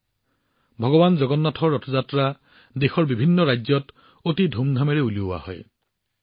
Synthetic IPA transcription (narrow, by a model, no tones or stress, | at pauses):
bʱɔɡɔbanzɔɡɔnːɔtʰɔɹɔtʰɔzatɹa | dexɔɹbibʱinːɔɹajzɔt | otidʱumdʱamɛɹɛuliʊa̰hɔ̰j